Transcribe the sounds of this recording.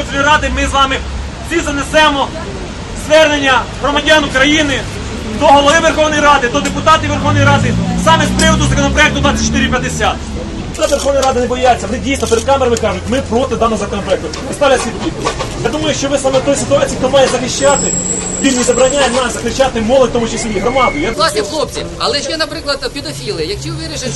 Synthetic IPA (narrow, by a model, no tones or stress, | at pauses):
ɔnɔjɾɑd̪ɪmɪzʋɑmɪ | izɐnesɛmɔ | zʋɛrnenʲːɐɦɾɔmɐdʲanʊkɾɐjinɪ | d̪ɔɦɔlˠɔʋɪʋerxɔwnɔjɾɑd̪ɪd̪ɔd̪epʊt̪ɑt̪ɪʋerxɔwnɔjɾɑd̪ɪsɑmɛspɾɪʋɔd̪ʊzɐkɔnɔpɾɔjɛkt̪ʊd̪ʋat͡sʲːɐt͡ʃt̪ɪɾʲipʲjɐd̪esʲat̪ | t̪at̪ʋerxɔwnɔjɾɑd̪ɪnebɔjat͡sʲːɐʋɔnɪdʲijsnɔpeɾed̪̚kɑmeɾɐmɪkɑʒʊtʲmɪpɾɔt̪ɪd̪ɑmɔzɐkɔnɔpɾɔɛk̚t̪ʊ | ɪst̪ɑlʲɐsʲit̪p̪ʊblʲikujɐjad̪umɐjʊʃt͡ʃɔʋɪsɑmɛt̪ɔjsɪt̪ʊɑt͡sʲiːikt̪ɔmɑjɛzɐxɪʃt͡ʃat̪ɪ | ʋʲimʲɪzɐbɾɐnʲajenɑszɐxɪt͡ʃat̪ɪmɔlˠɔd̚ʲt̪ɔmut͡ʃɐsʲlʲijiɦɾɔmɑd̪ɔjʊjalˠasʲilˠop̚ʲiɐ̰lˠɛʃɛnɐpɾɪklˠɐd̪pʲɪd̪ɐfʲilˠɪjɐkt͡ʃʲiʋʲiɾɪʃɪ